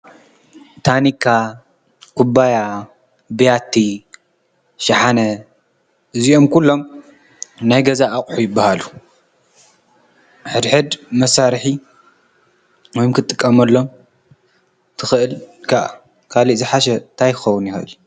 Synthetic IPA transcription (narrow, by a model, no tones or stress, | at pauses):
t̪ʰanikʰːa | kʰubaja | bɨjat̪ʰːi | ʃɐħanɐ | ɨzio̞mkʰulːo̞m | najɡɐzaːkʼħujɪbːahalu | ħɨd̪ħɨd̪mɐsaɾħi | wɔjumkʰɨt̪ʼːɨkʼːɐmɐlːo̞m | t̪ʰɨxɨʔɨlkʰaʔa | kʰaliʔzɨħaʃɛnt̪ʰajkʰɨ̥xɐwʊnjɪxɨʔɨlu